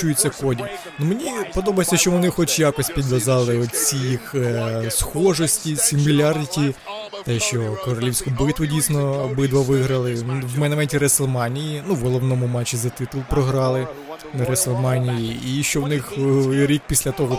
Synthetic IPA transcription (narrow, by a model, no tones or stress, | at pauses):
t͡ʃujɪt͡sʲːɐkɔdʲi | numenʲipɔd̪ɔbɐjsʲɐʃt͡ʃɔʋɔnɪxɔt͡ʃjakɔsʲpʲid̪ʋɐzɑlˠɪɔt̪t͡sʲijixsxɔʒɔsʲtʲisʲimmʲilʲardʲtʲi | t̪ɛʃt͡ʃɔkɔɾɔlʲiwsʲkʊbɪt̪ʋʊdʲijsnɔbɪd̪ʋɐʋɪɦɾɐlˠɪʋmɛnɐmɛnʲtʲiɾɛsɛlˠmɑnʲijinuʋɦɔlˠɔʋnɔmʊmɑt͡ʃːizɐt̪ɪt̪ʊlˠpɾɔɦɾɑlˠɪ | ɾɛselˠmɑnʲijiiʃt͡ʃɔwnɪxɾʲik̚pʲisʲlʲɐt̪ɔɦɔ